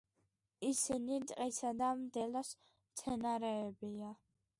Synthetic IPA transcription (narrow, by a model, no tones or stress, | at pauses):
isinit̪ʼqʼisad̪amd̪ɛlɔs | mt̪sʰɛnaɾɛːbia